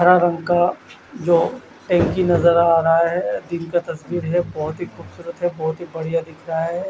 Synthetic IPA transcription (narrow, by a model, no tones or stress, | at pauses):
ɐɾaɾɐ̃ŋɡka | d͡ʒoː | ʈɛ̃ːŋkinɐzəɾaːɾɐɦaɦɛd̪inkat̪ɐsbiːɾɦɛbɔɦʊt̪ɦixuːbsuːɾət̪ɦɛbɔɦʊt̪ɦibɐɽijad̪ɪkʰɾɐɦaɦɛ